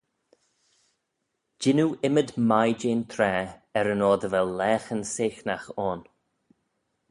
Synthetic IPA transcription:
d͡ʒɪnuːʔɪməd̪majd͡ʒeːnt̪ʰɾɛːɛɾənɔːd̪əvɛlːɛːxənseːxnaxɔːn

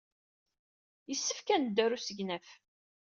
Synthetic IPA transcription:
jəsːəfkænəd̪ːæɾusəʝnæf

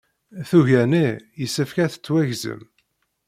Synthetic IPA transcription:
θuʝænijəsːəfkæθə̥t͡sːwæʝzə̰m

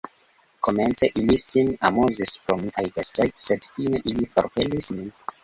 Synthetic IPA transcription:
kʰoment͡seʔilisina̰mozispɾomiʔajdestajtsedfineʔilifoɾpelismin

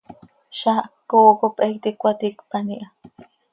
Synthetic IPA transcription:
ʃakːoːkopekt̪ikʷat̪ikpaniʔa

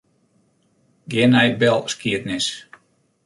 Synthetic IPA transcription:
ɡɪənɛjbɛlˠskiətnɪs

